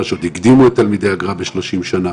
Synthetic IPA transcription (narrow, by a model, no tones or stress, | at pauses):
ʃod̪iɡd̪imuet̪ːalmid̪e̞jaɡʁabeʃlo̞ʃimʃana